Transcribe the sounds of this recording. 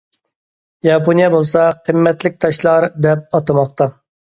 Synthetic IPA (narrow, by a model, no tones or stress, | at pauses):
jɑpʰonijɛbolˠsɑqʰəmːɛt̪lɪk̚ʲt̪ʰɑʃlˠɑɾd̪ɛp̚ɑt̪ɑmɑq̚t̪ɑ